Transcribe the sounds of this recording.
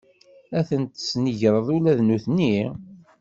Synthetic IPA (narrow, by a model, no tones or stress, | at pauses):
æθənt̪snəʝɾˤəðˤulæðnuθnːi